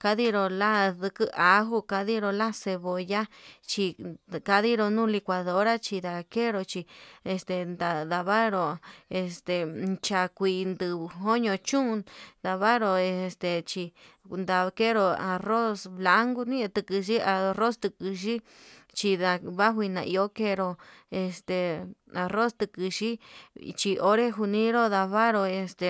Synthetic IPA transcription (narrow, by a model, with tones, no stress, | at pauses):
ka˦ði˦ɾo˧la˦ðɨ˧kɨ˦ʔa˨˧ɦu˧ka˧ði˦ɾo˧la˦se˧βo˧˨ja˦t͡ʃi˧ka˧ði˦ɾo˧nũ˦li˧kʷa˧ðo˨˦ɾa˦t͡ʃi˧d̪a˨ke˦ɾo˧t͡ʃi˧e˧st̪e˧˨nd̪a˧˨d̪a˧βa˦ɾo˧˨e˧st̪e˨t͡ʃa˧kʷi˧nd̪ɨ˧ɦo˦ɲõ˧t͡ʃũ˦˧d̪a˧βa˦ɾo˧e˧st̪e˧t͡ʃi˧ | nd̪a˧ke˦ɾo˧a˧ro˦sβla˧˦ŋɡu˧nĩ˦˧t̪ɨ˧kɨ˧ʃi˦a˧ro˦st̪ɨ˧kɨ˧ʃ̬i˦ | t͡ʃi˧ða˧βa˦ɦʷi˧nã̰˧ʔi˧o˦ke˧ɾo˧e˧st̪e˧˨a˧ro˦st̪ɨ˧kɨ˧ʃi˦t͡ʃi˧ʔo˦ɾe˦ɦu˧nĩ˦ɾo˦ða˧βa˦ɾo˧e˧st̪e˧˨